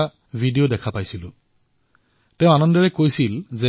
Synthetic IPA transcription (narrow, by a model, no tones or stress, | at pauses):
a | vʱidiodɛkʰapajsilʊ̃ | tɛ̃ʊ̃anɔndɔɹɛkojsilzɛ